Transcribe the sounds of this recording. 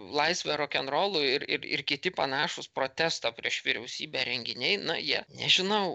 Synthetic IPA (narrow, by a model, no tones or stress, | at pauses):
lˠɐɪsʲʋʲɛɾoːkʲɛnɾoːlˠʊɪɾɪ̰ɾɪ̰rkʲɪtʲɪpɐnɑːʃʊspɾoːt̪ʲæst̪ɑpʲɾʲiɛʃʋʲiːɾʲɛʊsʲiːbʲɛːɾʲɛŋʲɡʲɪnʲɛɪnʊjiɛnʲɛ̰ʒʲɪnɐʊ